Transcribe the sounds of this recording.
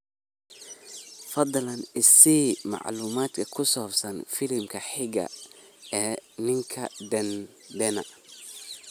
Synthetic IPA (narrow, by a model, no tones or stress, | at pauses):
fɑd̪lɐnɪsiːmɑ̰ʕluːmaːd̪kʰɐkʰʊsɔːbsɐnfɪlɪmkʰɐħɪɡɐ̰ɛːnɪŋkʰɐd̪ɛn | d̪ɛnɐ